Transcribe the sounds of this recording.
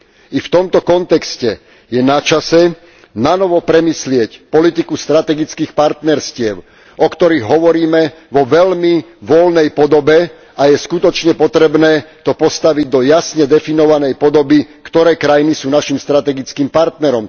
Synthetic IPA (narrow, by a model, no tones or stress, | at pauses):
ift̪ɔmt̪ɔkɔnt̪ɛkscɛ | jɛnat͡ʃasɛ | nanɔʋɔpɾɛmiːslɪɛcpɔlit̪ikust̪ɾat̪ɛɡit͡skiːxpaɾt̪nɛɾscɪɛʊ | ʔɔkt̪ɔɾiɣɦɔʋɔɾiːmɛʋɔʋɛʎmiʋɔlnɛjpɔd̪ɔbɛ | ajɛskut̪ɔt͡ʃɲɛpɔt̪ɾɛbnɛːt̪ɔpɔst̪aʋiɟ̚d̪ɔjasɲɛd̪ɛfinɔʋanɛjpɔd̪ɔbikt̪ɔɾɛːkɾajinisuːnaʃimst̪ɾat̪ɛɡit͡skiːmpaɾt̪nɛɾɔm